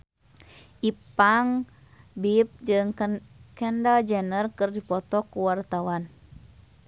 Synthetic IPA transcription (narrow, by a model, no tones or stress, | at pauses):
ʔipaŋ | bip̚d͡ʒɨŋkɛndald͡ʒɛnərkɨrdipɔt̪ɔkuwart̪awan